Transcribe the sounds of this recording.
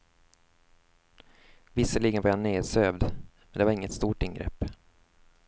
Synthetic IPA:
vɪsəɭiːɡənvaɾhanːeːd̪søːvd̪mɛnd̪ɛvaɾɪŋːət̪st̪uːʈɪnɡɾɛ̰pː

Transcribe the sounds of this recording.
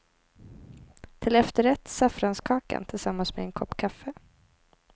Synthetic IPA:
t̪ʰɪlɛft̪əɾɛt̪ːsafɾanskʰɑːka̰nt̪ʰɪlsamːansmḛɛnkʰɔpːkʰafːə

